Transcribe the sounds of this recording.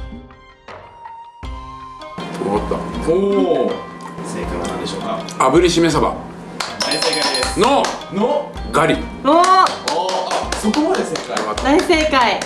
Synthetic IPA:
t̪oɾomat̪ːa̰o | sekad̪anand̪eɕoːkaabɯ̟ɾʲiɕimes̬aba̰ | d̪aiseːkaid̪esnonoɡaɾʲi | o | sokomad̪eseekakad̪aiseːkai

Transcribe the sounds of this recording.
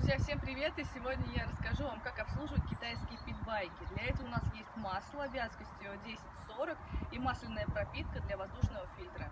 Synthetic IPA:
ʊzʲjafsʲempɾʲɪvʲe̞t̪ɨsʲɪvo̞dʲnʲəjaɾəskɐʐuvamkakɐpslˠuʐɨvət̪̚ʲkʲɪt̪ajskʲɪjəpʲɪd̪̚bajkʲɪd̪lʲɐɛt̪əvəʊnasjesʲtʲmaslˠəɐbʲazəkəsʲtʲɪodʲesʲɪ̥tʲso̞ɾəkimaslʲɪnːəjəpɾɐpʲit̪̚kəd̪lʲɐvɐzd̪uʂnəvəfʲilʲt̪ɾə

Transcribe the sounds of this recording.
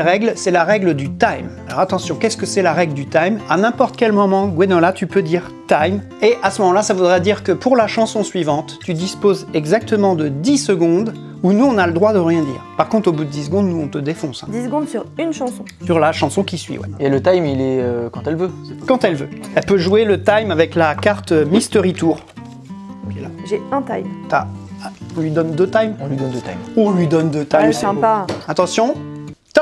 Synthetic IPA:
ʁɛɡlsɛlaʁɛɡləd̪yt̪ajmalɔ̰ʁat̪ɑ̃sjɔ̃kʲɛskəsɛlaʁɛɡləd̪yt̪ajmanɛ̃pɔʁt̪kʲɛlmɔmɑ̃ɡwenɔlat̪ʰypød̪iʁt̪ajm | eʔasəmɔmɑ̃lasavud̪ʁɛd̪iʁkəpʰuʁlaʃɑ̃sɔ̃sɥivɑ̃t̪ːyd̪ispozɛɡzak̚t̪əmɑ̃d̪əd̪isəɡɔ̃d̪ | unuɔ̃naləd̪ʁwad̪əʁjɛ̃d̪ḭːʁpaʁkɔ̃t̪χobud̪əd̪is̬ɡɔ̃d̪nuɔ̃t̪əd̪efɔ̃sɛ̰̃d̪isɡɔ̃d̪syʁynʃɑ̃sɔ̃syʁlaʃɑ̃sɔ̃kʲisɥḭwɛ̰elət̪ajmilɛøkɑ̃t̪ɛlvøkɑ̃t̪ɛlvø̰ɛlpøʒuelət̪ajmavɛklakaʁt̪mist̪əʁit̪uʁ | kɛlaʒeɛ̃t̪ajmt̪ã̰ | lɥid̪ɔnd̪øt̪ajmɔ̃lɥid̪ɔnd̪ət̪a̰jmɔ̃lɥid̪ɔnd̪øt̪ajmsɛ̃paat̪ɑ̃sjɔ̃t̪

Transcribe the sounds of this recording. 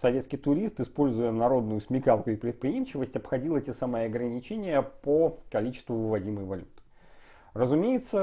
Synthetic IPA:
sɐvʲe̞t̪skʲɪjt̪ʊɾʲist̪ɨspo̞lʲzʊjənɐɾo̞d̪nʊjʊsʲmʲɪkalˠkʊɪpɾʲɪt̪̚pɾʲɪjemɕɪvəsʲtʲɐpxɐdʲilˠətʲesaməjɐɡɾənʲɪt͡ɕenʲɪjəpəkɐlʲit͡ɕɪ̥st̪vʊvɨvɐdʲiməjvɐlʲut̪ɨ̥ | rəzʊmʲejɪt̪sə

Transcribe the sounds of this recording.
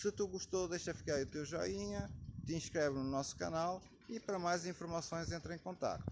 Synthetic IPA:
sɨt̪uɣuʃt̪oðejʃɐfi̥kaɾut̪ewʒɔ̰iɲɐt̪ĩʃkɾɛβnunɔsu̥kɐ̰nalˠ | ipɐɾɐmajzĩfuɾmɐsõj̃zẽnt̪ɾẽkõnt̪a̰k̚t̪u

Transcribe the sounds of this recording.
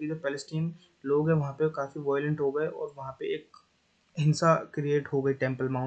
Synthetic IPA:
id͡ʒ̪əpɛːlɪsʈiːn | loːɡɦɛ̃ʋɐɦãpekaːfiʋaːjlə̃ɳʈɦoːɡɐeʔɔ̰ːɾʋɐɦãpeeːk | ɦɪnsakɾieːʈɦoɡɐiʈɛ̃ːmpəlmãː

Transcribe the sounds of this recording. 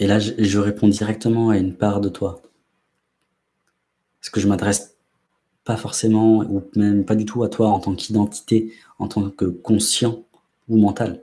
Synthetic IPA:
elaʒʒəʁepʰɔ̃d̪iʁɛk̚t̪əmɑ̃aynpaʁd̪ət̪wa | sə̥kəʒəmad̪ʁɛs | pafɔʁsemɑ̃umɛmpad̪yt̪ʰuat̪waɑ̃t̪ɑ̃kʰid̪ɑ̃t̪ʰi̥t̪e | ɑ̃t̪ɑ̃kəkɔ̃sjɑ̃ | umɑ̃t̪al

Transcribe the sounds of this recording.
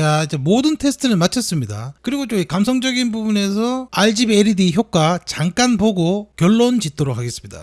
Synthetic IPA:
aid͡ʑe̞modɯntʰe̞sʰɯ̥tʰɯnɯnmat͡ɕʰʌs͈ɯmɲida̰kɯɾiɡot͡ɕ͈oikamsʰʌŋd͡ʑʌɡinbubune̞sʰʌaɭd͡ʑibeɾidiçjok̚k͈wat͡ɕaŋk͈anpoɡokjʌɭːont͡ɕit̚t͈oɾok̚ʰaɡe̞s͈ɯmɲida̰

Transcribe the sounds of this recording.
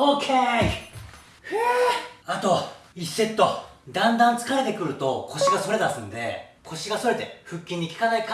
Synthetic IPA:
okʲʰe | heat̪o̞isːe̞t̪ːo̞d̪ãnd̪ãnt͡sɨ̥kaɾe̞t̪e̞kɯ̟ɾɯ̟t̪o̞kʰo̞ɕiɡaso̞ɾe̞d̪asɨ̃nd̪e̞̰kʰo̞ɕiɡaso̞ɾe̞t̪e̞ɸɯ̟kʲːĩɲ̟ːikʲi̥kanaika

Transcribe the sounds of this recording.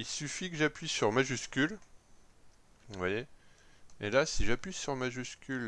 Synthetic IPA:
ilsyfikəʒapɥisyʁmaʒyskʲyl | vwaje | elasiʒapɥisyʁmaʒyskʲyl

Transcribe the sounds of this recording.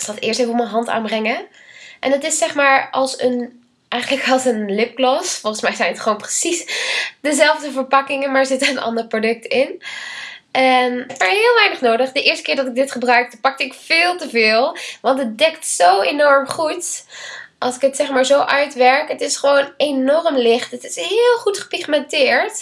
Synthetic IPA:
sɑtɪːɹstefəɔmənɦɑnta̰ːnbrɛŋə | ʔɛnətɪsːɛχmaːɹʔɑlˠsən | ʔɛjχələkɑlˠsənlɪp̚klɔsfɔlˠχəsmɛjzɛjnətχʋoːnprəsisdəzɛlˠvdəvəɹpɑkɪŋənmaːɹzɪtəənʔɑ̰ndərəprodɵk̚təɪn | ʔɛnɛpaɹɦɪːlˠʋɛjnəχnowdəχdəʔɪːɹstəkɪːɹdɑtɪɡ̚dɪtχəbrœɥk̚təpɑk̚tɪkfɪːlˠtəvɪːlˠʋɑntɦət̚dɛktsowenɔɹmχut | ʔɑlˠsɪkətsɛχmaːɹzowʔœɥtʋɛɹkɦətɪsχəʋownenɔrmlɪχtətɪ̥sɦɪːlˠχutχə̥piχmɛntɪːɹt

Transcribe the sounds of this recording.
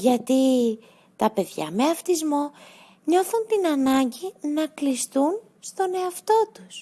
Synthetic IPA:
ʝɐt̪i | t̪ɐpe̞ðʝɐ̰me̞ɐft̪izmo̞ | ɲo̞θunt̪inɐnɐɲɟinɐklist̪un | st̪o̞ne̞ɐft̪o̞t̪us

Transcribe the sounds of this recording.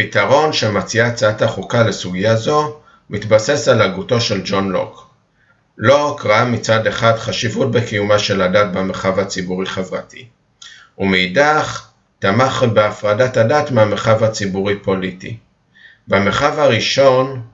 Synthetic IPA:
pitaʁo̞nʃemat͡siat͡sataχukalesuɡijazo̞ | mitbase̞salaɡuto̞ʃe̞ld͡ʒo̞nlo̰k | lo̞kʁaamit͡sade̞χadχaʃivut̚bekijumaʃe̞ladat̚bemeχavat͡sibuʁiχevʁatʰi | umeidaχ | tamaχbeafʁadatadatmeameχavat͡sibuʁipo̞litḭ | bemeχavaʁiʃo̞n

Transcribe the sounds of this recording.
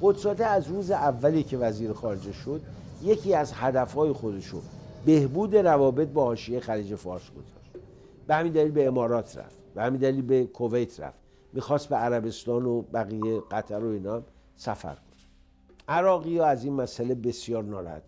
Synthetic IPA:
χo̞d̪sɒːd̪eæzɾuːzeʔævːæliːcʰe̞væziːɾexɒːɾe̞d͡ʒe̞ʃo̞d̪je̞cʰiːæzhæd̪æfhɒːjexo̞d̪e̞ʃobe̞hbuːd̪e̞ɾævɒːbe̞t̪̚bɒːhɒːʃiejexæliːd͡ʒe̞fɒːɾsɡo̞z̥ɒ̰ʃt̪ | b̥ehæmind̪æliːlbe̞ːmɒːɾɒːt̪ʰɾæ̰ft̪b̥ehæmind̪æliːlbe̞kʰo̞vejt̪ʰɾæ̰ft̪ | miːxɒːst̪̚beæɾæbe̞st̪ɒːnobæɣiːjeɣ̥æt̪ʰæɾo̞iːnɒm | sæ̰fæ̰ɾkʰo̥n | ʔæɾɒːɣijɒːæziːnmæsæle̞be̞sijɒːɾnɒːɾ̰hæ̰d̪

